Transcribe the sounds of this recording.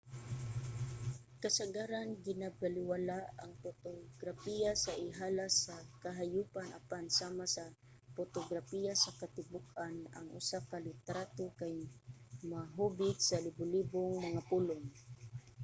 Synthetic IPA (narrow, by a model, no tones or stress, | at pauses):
kasaɡaɾanɡɪnabalɪwalaʔaŋpʊt̪oɡɾafijasaʔɪɦaːlasakaɦajuːpanʔa̰pansaːmasa | fʊt̪oɡɾafijasɐkat̪ɪbʊkana̰ŋʔʊ̰sakalɪt̪ɾat̪okajmaɦubɪt̪salɪbʊlibʊŋmɐŋapulʊŋ